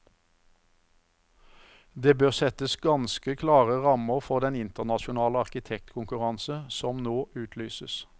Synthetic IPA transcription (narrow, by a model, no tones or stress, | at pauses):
d̪eːbøːʁsɛt̪əsɡɑnskəkʰlɑːʁəʁɑməʁfɔʁd̪ɛnɪnt̪əʁnɑʃʊnɑːləɑʁkɪt̪ʰɛk̚t̪kʰʊŋkʉʁɑnsəsɔmnoːʔʉːt̪ʰlyːsəs